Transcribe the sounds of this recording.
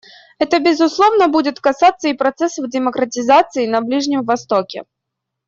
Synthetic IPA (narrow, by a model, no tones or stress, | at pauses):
ɛt̪əbʲɪzʊslˠovnəbudʲɪt̪kɐsat̪sːəipɾɐt̪sɛsəvdʲɪmɐkɾətʲɪzat̪sɨɪnɐblʲiʐnʲɪmvɐst̪okʲɪ̰